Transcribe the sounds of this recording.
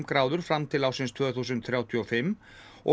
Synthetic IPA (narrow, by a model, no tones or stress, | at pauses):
mkɾaːwðʏɾ̥fɾamt̪ʰɪlawsɪnst̪ʰvœːθuːs̬ʏnt̪θɾjaːwt̪ʰjiɔfɪmː | ʔɔ̰